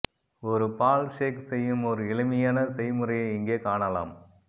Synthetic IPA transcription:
ɔɾɯpaːlʂeːksɛjːɯmɔɾɯɪɭɯmɪjaːnɐsɐɪmɯɾɐjɐɪŋɡeːkaːɳɐla̰ːm

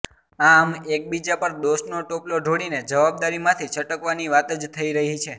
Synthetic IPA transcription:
amek̚bid͡ʒapəɾd̪osnoʈoploɖʱoɽined͡ʒəʋabd̪aɾimãt̪ʰit͡ʃʰəʈəkʋaniʋat̪əd͡ʒt̪ʰəiɾəɦit͡ʃʰe

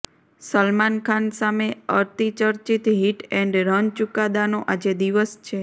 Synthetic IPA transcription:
səlmankʰansameəɾt̪it͡ʃəɾt͡ʃit̪ɦiʈɛɳɖɾənt͡ʃukad̪anoʔad͡ʒed̪iʋəst͡ʃʰe

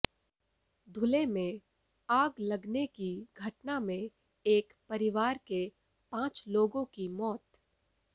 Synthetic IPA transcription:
d̪ʱʊlemẽ | aːɡlɐɡnekiɡʱɐʈnamẽ | eːkpɐɾɪʋaːɾke | pãːt͡ʃloːɡõkimɔːt̪

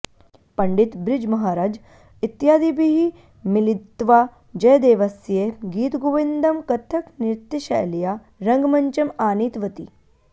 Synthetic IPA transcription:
pɐɳɖit̪bɾɪd͡ʒmɐɦaːɾaːd͡ʒ | it̪jaːd̪ibiɦi | milit̪ːʋaː | d͡ʒɐjd̪eːʋɐsjeɡiːt̪ɡuʋind̪ɐmkɐt̪ʰɐkniɾt̪jɐʃa̰ːjlijaː | ɾɐ̃ŋɡmɐɲt͡ʃɐmaːniːt̪ʋɐt̪i

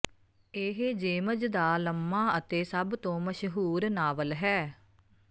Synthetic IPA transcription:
eːɦd͡ʒeːməd͡ʒd̪aːləmːaːət̪eːsəbt̪õːməʃɦuːɾnaːʋəlɦɛː

